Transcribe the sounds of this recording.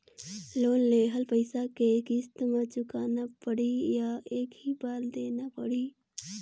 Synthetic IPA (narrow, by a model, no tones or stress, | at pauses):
loːnleːɦəlpəɪsakekist̪mãt͡ʃʊkaːnapəɽijaeːkɦibaːld̪eːnapəɽiː